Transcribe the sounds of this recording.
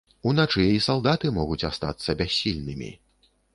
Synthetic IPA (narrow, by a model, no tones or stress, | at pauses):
unat͡ʂɨisalˠd̪at̪ɨmɔɣut͡sʲast̪a̰t̪sːɐbʲasʲːilʲnɨmʲḭ